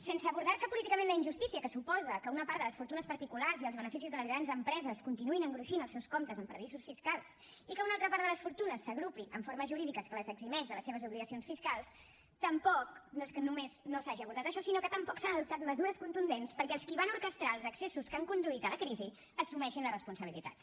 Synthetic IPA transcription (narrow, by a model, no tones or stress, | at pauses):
sensəːβuɾðaɾsəpulit̪ikəmẽnləinʒust̪isiəkəsupɔzəkəunəpaɾd̪ələsfuɾt̪unəspəɾt̪ikularziəlˠzβənəfis̬izðələzɾanzəmpɾɛzəskunt̪inuinəŋɡɾuʃinəlˠsɛwskomt̪əzəmpɾðisusfiskalˠs | ikəunalˠt̪ɾəpaɾt̪ðələsfuɾt̪unəsːəɣɾupiʔəɱfoɾməzʒuɾiðikəskələzəɡzimɛʃðələseβ̞əzuβliɣəsionsfiskalˠs | t̪əmpɔknəskənumeznosaʒiəβuɾðat̪əʃɔsinokət̪əmpɔksanəðup̚t̪at̪̚məzuɾəskunt̪und̪enspəɾkɛəlˠskiβanuɾkəst̪ɾalˠzəksesuskaŋkund̪uit̪ələkɾizi | əsumɛʃinlərəspunsəβ̞ilit̪a̰t̪